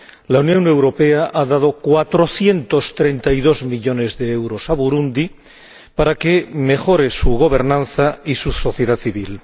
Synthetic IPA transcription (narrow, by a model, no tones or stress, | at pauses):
launjõ̞ne̞wɾo̞pe̞aʔaðað̞o̞kwat̪ɾo̞θje̞nt̪o̞st̪ɾe̞nt̪ajðo̞zmiʎo̞ne̞zðe̞ewɾo̞saβuɾund̪i | paɾake̞me̞xo̞ɾe̞suɣo̞βe̞ɾnãnθaisuso̞θjeðaθiβil